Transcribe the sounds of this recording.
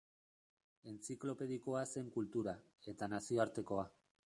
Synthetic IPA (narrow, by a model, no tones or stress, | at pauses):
e̞nt͡siklo̞pe̞ð̞iko̞ase̞ŋkult̪uɾa | e̞t̪anasio̞aɾt̪e̞ko̞a